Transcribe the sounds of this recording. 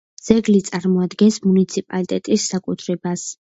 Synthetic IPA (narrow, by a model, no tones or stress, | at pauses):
z̥ɛɡlit̪sʼaɾmɔad̪ɡɛnsmunit̪sʰipʼalit̪ʼɛt̪ʼisːakʼut̪ʰɾɛbas